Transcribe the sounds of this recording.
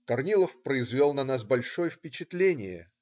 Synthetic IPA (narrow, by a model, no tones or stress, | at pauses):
kɐrnʲilˠəfpɾəɪzvʲolˠnɐnas̬bɐlʲʂo̞jəfpʲɪt͡ɕɪt̪lʲenʲɪjə̰